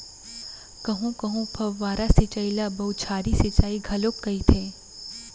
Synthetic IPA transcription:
kɐɦũkɐɦũpʰɐʋːaːɾasɪt͡ʃailabɐut͡ʃʰaːɾisɪt͡ʃaːiɡʱɐlokːɐit̪ʰeː

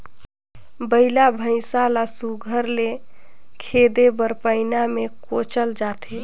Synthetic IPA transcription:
bəɪlabʱəɪ̃salasuɡʱəɾle | kʰed̪ebəɾpəɪnamekot͡ʃəld͡ʒat̪ʰe

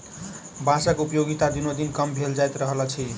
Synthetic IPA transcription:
basakupjoɡit̪ad̪inod̪inkʌmbʱeld͡zajt̪ɾʌɦʌlat͡sʰi

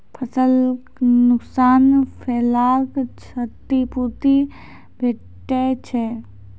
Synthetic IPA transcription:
pʰəsəl | nʊksaːnpʰeːlaːlkt͡ʃʰət̪ːipuɾt̪i | bʱe | ʈːet͡ʃʰe

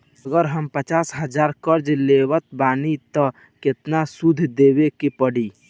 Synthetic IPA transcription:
əɡəɾɦəmpət͡ʃasɦəd͡ʒaɾkəɾd͡ʒlewət̪̚banit̪ə | ket̪nasud̪ʱd̪ebekepəɽi

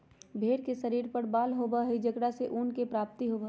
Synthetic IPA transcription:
bʱeːɾkesɐɾiːɾpəɾbaːlɦoːbaɦid͡ʒɐɡɽaseʔuːnkepɾaːp̚t̪iɦoːbə

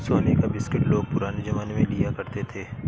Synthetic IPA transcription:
soːnekabɪskɪʈloːɡ̚pʊɾaːned͡ʒɐmaːnmẽlijakɐɾt̪et̪ʰeː

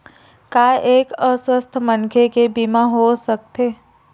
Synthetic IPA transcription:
kaːʔeːkəswəst̪ʰmənkʰekebimaɦosək̚t̪eː

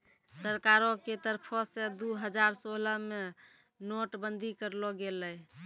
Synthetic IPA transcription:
səɾkaɾoket̪əɾpʰɔsẽd̪uɦəd͡ʒaɾsoləme | noʈbənd̪ʱikəɾlɔɡeləj

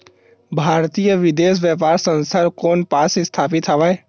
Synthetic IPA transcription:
bʱaːɾt̪ijəʋɪd̪eːs̬ʋjəpaːɾsə̃nsəɾkoːnpaːsest̪ʰaːpɪt̪ɦəʋae

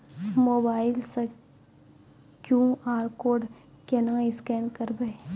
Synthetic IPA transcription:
moːbaːɪlsɐ | kjũːaːɾkoːɖ | kenãɪskɛːnkəɾbe

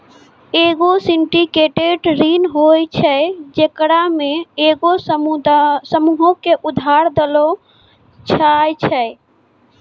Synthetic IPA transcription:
eɡosiɳʈikeʈeɖɾinɦojt͡ʃʰɛd͡ʒekɾameeɡos | səmuɦõkeʔud̪ʱaɾd̪elo | t͡ʃʰajt͡ʃʰɛ

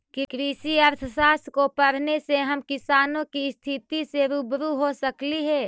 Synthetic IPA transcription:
kikɾisiɐɾt̪ʰəsaːskopəɽ̤neseɦɐmkɪsaːnõkist̪ʰɪt̪iseɾubɾuɦosəkliɦɛː

